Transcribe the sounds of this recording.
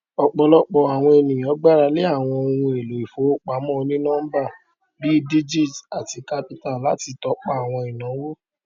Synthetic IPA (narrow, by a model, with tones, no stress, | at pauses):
ɔ˧k͡pɔ˨˧lɔ˦k͡pɔ˨a˨w̃ɔ̃˧e˨nĩ˨j̃ɔ̃˨˦ɡ͡ba˦˨ɾa˧le˦a˦˨w̃ɔ̃˧o˧hũ˧e˨lo˨˦i˨fo˨˦o˦˨k͡pa˨˦mɔ̃˦o˧nĩ˦nãː˦ba˦˨ | bi˦di˦d͡ʒi˦˨ta˨ti˧ka˦pi˦ta˦˨la˨˦ti˧tɔ˧˦k͡pa˦a˨w̃ɔ̃˧i˨nã˨˦wo˦